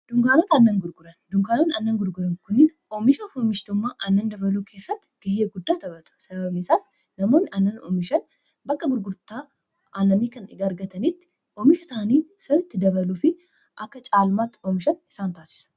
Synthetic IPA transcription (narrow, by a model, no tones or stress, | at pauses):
d̪̥ʊŋkaːnoːt̪ɐnːɐŋɡʊɾɡʊɾɐnd̪ʊŋkaːnoːnɐnːɐŋɡʊɾɡʊɾɐŋkʊnɪːn | ɔmɪʃɐfoːmɪʃt̪ɔmːaːʔɐnːɐnd̪ɐbɐluːkʰe̞ːsːɐt̪ːɪ̥ɡ̥ɐheːɡʊd̪ːaːt̪ɐbɐt̪ʊ̥sɐbɐbnɪsaːs | nɐmoːnːɪʔɐnːɐnɔ̰mɪʃɐn | bɐkːɐbʊɾɡʊɾt̪aː | ʔɐːnːɐniːkɐnɪ̰ɡaːɐɾɡɐt̪ɐnit̪ːɪ̥ | ʔɔmɪʃɐsaːniːsɪɾɪt̪ːɪd̪ɐβɐluːfɪ | ʔɐkːɐt͡ʃʼaːlmaːt̪ːɔmɪʃɐnɪ̥saːnt̪aːsɪ̥sɐ̥